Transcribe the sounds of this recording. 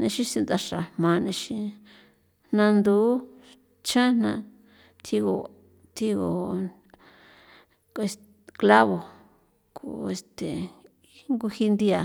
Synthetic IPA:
nẽ˧ʃĩ˧si˧nd̪a˧ʂa˨hmã˧nẽ˧ʃĩ˧ | n̥nã˧nd̪u˦ | t͡ʃʰã˦nnã˧ | t̪ʰi˧ɣo˨ | t̪ʰi˧ɣo̰˨ | e˧s | kla˦βo˨ | kṵ˨e˨st̪e˨ | ŋɡu˧hi˧nd̪i˧a˨

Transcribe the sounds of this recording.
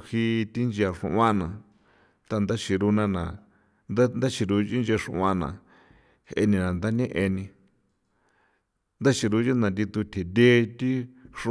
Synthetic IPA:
hi˦˧t̪i˦nd͡ʒa˧ʂṵ̃˧ʔã˦nã˨ | t̪a˧nd̪a˦t͡ʃi˧ɾu˧nã˧nã˨ | nd̪a˦nd̪a˦t͡ʃi˧ɾu˧ʒi˦nd͡ʒe˧ʂṵ̃˧˨ʔã˦nã̰˨ | he˧nĩ˧nã˨nd̪a˦nẽ˦ʔe˧nĩ˧ | nd̪a˦t͡ʃi˧ɾu˧˦d͡ʒi˦nã˨d̪i˧t̪u˧t̪ʲʰe˨d̪ʲe˦t̪i˦ʂũ˧

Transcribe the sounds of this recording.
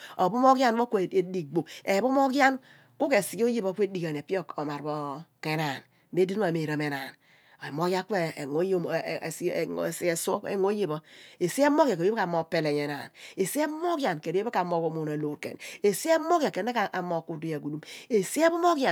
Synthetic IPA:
o˨bo˦mo˦ɡja˦nbo˦ke˨e˨di˨ɡ͡bo˨e˨bo˦mo˦ɡja˦n | ku˦ke˨si˨ɡo˦je˦bo˦kʷe˦di˦ɡa˨n˨e˨pi˦o˦ko˨ma˨ɾbo˦ke˦na˨n | be˦di˦n˦a˨me˨ɾa˨me˨na˨n˨ | mo˦ɡa˦ke˦˨ŋo˦jssi˨e˨so˦ḛ˨ŋo˦je˦bɔ˦e˨si˦e˦mo˦ɡja˨ko˨jo˦ka˨mo˨pe˨le˨ɲe˨na̰˨ne˨si˦e˦mo˦ɡja˨nke˨ɾe˦be˦ka˨mo˨ko˨mu˨na˨lo˨ɾkḛ˨ne˨si˦e˦mo˦ɡja˨ke˨ne˦ka˨ʔa˨mo˨ku˨du˨ja˨ɡu˨du˦me˨si˦e˦bo˦mo˦ɡja˨

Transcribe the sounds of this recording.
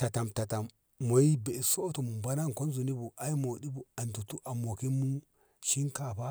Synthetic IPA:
ta˨ta˨mta˨ta˨mː | o˨i˦be˨i˨so˦to˨mu˨ba˦na˦ŋko˦nzu˨ni˦bu˨ʔa˦i˦mo˨di˦bu˨a˨ntu˨tu˦ʔa˨mo˨ki˦mu˦ | ʃi˦ŋka˨pa˦

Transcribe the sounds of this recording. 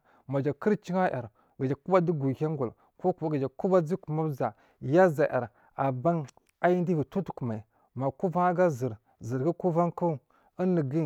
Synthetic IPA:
ma˨d͡ʒa˨kə˦ɾt͡ʃi˦ŋa˦ja˨ɾ | ɡa˨d͡ʒa˨ku˦ba˦di˦ɡu˨hʲa˦ŋɡu˨l | ko˦kɡa˨d͡ʒa˨ku˦ba˦d͡zi˦ku˨ma˦bza˨ | ja˦za˨ʔa̰˨ɾ | a˨ba˦ŋ | a˦ji˦ndi˦vi˨tu˦tu̥˨˦ku˨ma˨ | ma˨ku˦va˦ŋa˦ɡa˦zə˨ɾ | zə˨ɾɡa˦ku˦va˦ŋku˦˨ | ə˦nːə˨ɡi˦

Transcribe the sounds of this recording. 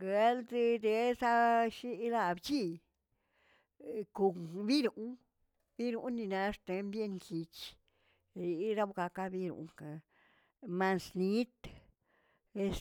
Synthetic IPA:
ɡe˧˦ld̪i˧d̪e˧sa˦ʃi˦la˧˨bt͡ʃi˦ | ku˧bi˦ɾu˨ʔ | bi˦ɾu˧˦ni˧na˧˦ʂt̪e˧˦mbje˦˧ŋki˧t͡ʃ | ɾi˧˦ɾa˦bɡa˧ka˦bi˦ɾṵ˨˧ŋka˧ | ma˧nsni˦t̪ | e˦˧s

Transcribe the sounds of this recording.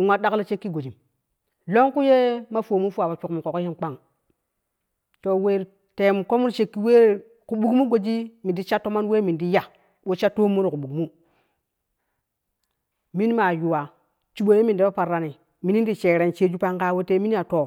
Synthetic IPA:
ŋʷwa˦ɗa˦klo˦t͡ʃe˦kːi˦ɡo˨d͡ʒi˨m | lo˦ŋku˦je˦ma˦fo˨mu˦fu˦wa˨ba˨t͡ʃu˨kmu˨ko˨ko˦hi˦nk͡pa˦ŋ | to˨we˦ɾ | te˨m˨ko˦mu˦ɾt͡ʃe˦kːi˦we˦˨ | ku˨ɓu˦kmu˦ɡo˨d͡ʒi˦mi˨ndi˦t͡ʃa˦tːo˦ma˦nwe˦mi˨di˦ja˨ | wo˦t͡ʃa˦tːo˦mːu˦ɾi˨ku˨ɓu˨kmu˦ | mi˦n˦ma˨ju˨wa˨ | t͡ʃu˨ɓo˨je˦mi˨n˨de˦ba˦pa˨ɾːa˨ni˨ | mi˨ni˦ndi˨t͡ʃe˨ɾe˨nt͡ʃe˦d͡ʒu˦pa˦ŋka˦wo˦te˦mi˦n˦a˨to˨

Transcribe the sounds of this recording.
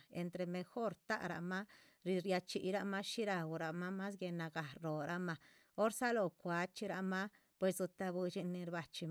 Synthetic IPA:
ḛ˨nt̪ɾe˧me˧xo˦ɾt̪a̰˦ʔɾa̰˧ma˦ | ɾi˧ɾja˧t͡ʃi˨ɾa˧ma˦ʃi˦ɾa˧wɾa˨ma˦ma˦sɡe˧na˧ɡa˨ɾɾo˨ɾa˦ma˧ | o˦ɾsa˦lo˨kʷa˨˦t͡ʃi˦ɾa˧ma˦ | pwe˧˨s̬ɡu˧t̪a˧bu˧t͡ʃi˧ni˧ɾba˨t͡ʃi˧m

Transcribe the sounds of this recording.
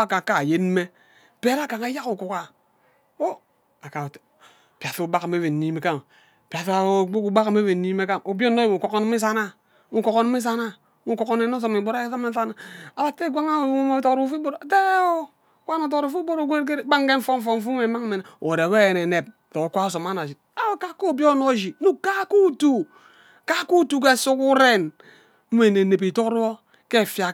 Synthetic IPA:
a˦˨ka˨ka˨je˦nme˦ | pe˦ɾa˦ka˨ŋa˨˦ja˦ku˨ku˨ka˨ | wo˦ | a˨ka˨ | pi˨a˨fo˦ba˦kme˦ve˨n˨i˦me˨ka˦˨ŋ˨ | pa˨θa˨˦bo˦ku˦ba˦ka˨˦me˦ve˨n˨ni˦me˦ka˦ŋo˨bjo˦nː˦o˦jmo˨ko˨ko˦n˦mi˦s̬a˦na˦ | u˦ko˨ko˦n˦mi˦s̬a˦na˦ | mu˦ko˨ko˦ne˨˦no˦s̬o˨mi˨bo˦ɾa˦so˦me˦sa˦na˦a˨ba˦k̚te˦˨ɡʷa˦ŋa˦˨˦mo˦to˨kɾu˨˦fu˦bo˦ɾa˨te˦e˦o˦˨˦ | kʷa˦no˨to˨kɾu˨fu˦bo˦ɾo˨ɡʷe˦ɾk̬e˦ɾɡ͡ba˦ŋ˦ke˦ɱ̩˦fo˦ɱ̩˦fo˦˨ɱ̩˦fu˦me˨˦ma˦ŋ̩˦me˨n˨o˨ɾe˨we˦je˨ne˨ne˨p̚to˨o˨kʷa˦o˦so˨ma˦na˨d͡ʒi˨ | a˦o˦ka˦ko˦˨bjo˦no˦d͡ʒi˨nu˦ka˦ku˦tu˨ | ka˦ku˦tu˨k̬e˦˨su˦ku˦ɾe˦n | m̩˦me˨ne˨ne˨p̬i˨to˦ɾo˦ | ke˦˨fja˨

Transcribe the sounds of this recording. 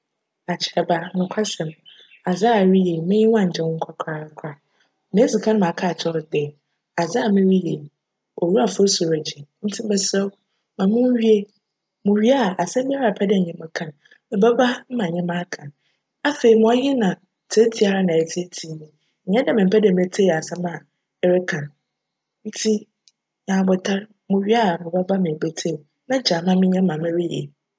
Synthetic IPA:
a˨t͡ɕʰɪ˨ɾɛ˨ba˦nʊ̃˨kʰʷa˦sɛ̃˨m | a˨za˦a˨ɥi˦je˨mɪ̃˦jɪ˦wã˦˨ɲ̩˨t͡ɕʰɛ̃˦kʷʰa˦kʰɾa˨˦kʰɾa˨ | mɪ̃˦si˨kʰã˦n˦mã˨kʰa˦˨t͡ɕʰɔ˦ɾdɛ˨ | a˨za˦a˨mɪ̃˦ɥi˦je˨ | ɔ˨ɾu˦a˨fo˦so˨ɾa˨d͡ʑi˨n̩˦tʰi˦ɛ˦sɛ˦w | mã˨mʊ̃˦ɥi˦e˦ | mʊ̃˨ɥi˦a˨ʔa˨sɛ̃˦m˦bi˦a˦ɾa˨pʰɛ˦dɛ˦˨ɲɪ̃˦mã˨kʰã˨n | mɪ̃˨ba˦ba˦m̩˦mã˨ɲɛ̃˦mã˦kʰã˨ | a˦fe˨i˨mʊ̃˨˦ɔ˦jɪ˦nã˨ | tʰe˦tʰi˦a˨ɾa˦nã˨ɛ˨tʰi˦e˦tʰi˨˦nĩ˦˨ | ɲɛ̃˦dɛ˦mɪ̃˨m̩˨pʰɛ˦dɛ˨mɛ˨tʰe˦˨a˨sɛ˦mã˨˦ | ɾɪ˦kʰã˨n | n̩˦tʰi˦ | ɲã˨bɔ˨tʰa˦ɾ | mʊ̃˨ɥi˦a˦˨mɪ̃˨ba˦ba˦mɪ̃˨be˦tʰe˦˨ | nã˦d͡ʑaː˨mã˦mɪ̃˦ɲɛ̃˦mã˨mɪ̃˦ɾi˦jḛ˨

